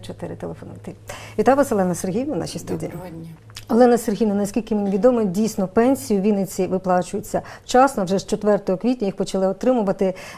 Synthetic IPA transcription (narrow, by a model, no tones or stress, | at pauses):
t͡ʃɔt̪ɪɾɪt̪elˠefɔnʊ̰t̪ɪʋʲit̪ajʊʋɑsɔlˠɛnɐserɦʲijʋnɐwnɑ̰ʃijst̪udʲḭːi | ɔlˠɛnɐserɦʲijnɐnɐsʲkʲilʲkɪmenʲiʋʲid̪ɔmɔdʲijsʲnɔpɛnʲsʲijʊʋʲinɪt͡sʲiʋɪplˠɑt͡ʃʊjʊt͡sʲːɐt͡ʃɑsnɔwʒɛʃt͡ʃɔt̪ʋɛrt̪ɔɦɔkʋʲitʲnʲɐjixpɔt͡ʃɐlˠɪɔt̪ɾɪmʊʋɐt̪ɪ